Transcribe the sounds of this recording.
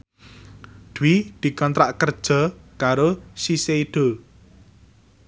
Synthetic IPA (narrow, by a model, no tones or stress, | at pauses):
d̪̥uwid̪̥i̤kɔnt̪ɾaʔkərd̥ʒ̥ɔ̤kaɾosiseiɖ̥o̤